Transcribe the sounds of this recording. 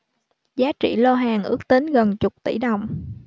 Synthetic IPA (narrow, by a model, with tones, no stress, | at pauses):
zaː˨˦t͡ɕḭ˧˩lɔ˧ɦaː˨˩ŋʔɨ˦˥ək̚t̪i˨˦nɣə˨˩nt͡ɕʊ˨˩k͡p̚t̪i˧˩ɗə˨˩wŋ͡m